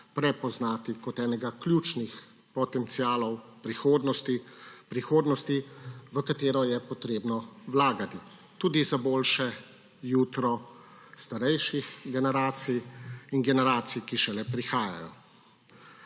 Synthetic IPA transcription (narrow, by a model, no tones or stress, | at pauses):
pɾɛpɔznaːt̪ikɔt̪ɛːnɛɡakljuːt͡ʃnix | pɔt̪ɛnt̪siaːlɔwpɾixoːd̪nɔst̪ipɾixoːd̪nɔst̪iʋəkat̪eːɾɔjɛpɔt̪ɾeːbnɔwlaːɡat̪i | t̪uːd̪izaboːlʃɛ | juːt̪ɾɔ | st̪aɾɛjʃixɡɛnɛɾaːt̪sijinɡɛnɛɾaːt̪sijkiʃɛlɛpɾixaːja̰jɔ̰